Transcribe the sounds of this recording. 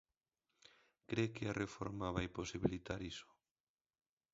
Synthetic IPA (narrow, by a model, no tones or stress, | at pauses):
kɾekɪarʔefo̰ɾmaβajposiβilit̪aɾiso̥